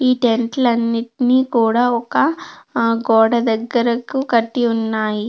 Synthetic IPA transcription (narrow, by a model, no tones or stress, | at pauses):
iːʈeɳʈlɐnːiʈiniːkuːɽaːɔkɐ | ɡɔːɽɐd̪ɐɡːɐɾɐkukɐʈːiunːaːji